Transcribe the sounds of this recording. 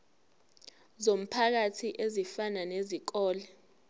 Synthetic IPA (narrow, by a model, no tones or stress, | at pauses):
zom̩pʰak̬atʰiʔezifananezik̬ɔːlɛ